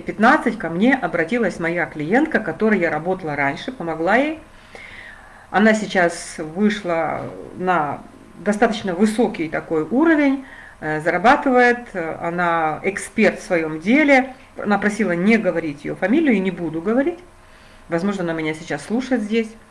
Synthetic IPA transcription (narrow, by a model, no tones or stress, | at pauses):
pʲɪt̪nat̪sɨtʲkɐmnʲeʔɐbɾɐtʲilˠəsʲmɐjaklʲɪje̞nt̪̚kəkɐt̪o̞ɾɨjjaɾɐbo̞t̪əlˠəɾanʲʂɨpəmɐɡlˠajej | ɐ̰nasʲɪt͡ɕasvɨʂlˠənɐ | d̪ɐst̪at̪ət͡ɕnəvɨso̞kʲɪjt̪ɐko̞juɾəvʲɪnʲ | zəɾɐbat̪ɨvəjɪt̪ɐ̰naɪkspʲe̞rt̪fsvɐjo̞mdʲelʲɪ | ɐ̰napɾɐsʲilˠənʲeɡəvɐɾʲitʲjɪ̰jo̰fɐmʲilʲɪjʊinʲɪbud̪ʊɡəvɐɾʲitʲ | vɐzmo̞ʐnəɐnamʲɪnʲasʲɪt͡ɕasːlˠuʂət̪zʲdʲesʲ